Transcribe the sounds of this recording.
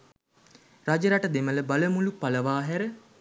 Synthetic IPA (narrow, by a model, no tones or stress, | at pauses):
rad͡ʒəɾaʈəd̪emələbaləmulupaləʋaːɦæɾə